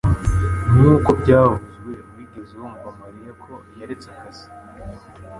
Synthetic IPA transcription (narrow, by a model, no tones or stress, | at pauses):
njuːkobɟaːuzwe̞wiːɡezewomuβamaɾijakʰo̞jeɾet͡sekasi̥